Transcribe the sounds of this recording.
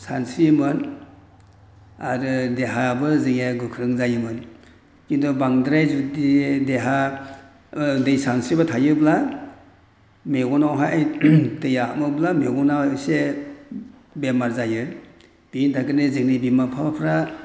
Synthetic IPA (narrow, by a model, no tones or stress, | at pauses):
sansimɯn | a̰ɾɯdeɦabɯzɯŋeɡɯkʰɾɯŋzajɯmɯn | kindɔbaŋdɾajzudideɦa | dɯjsansibatʰajɯbla | meɡɔnawɦajtɯjamɯblameɡɔnase | bemaɾzajɯ | b̥intʰakɯnezɯŋnibimapʰapʰɾa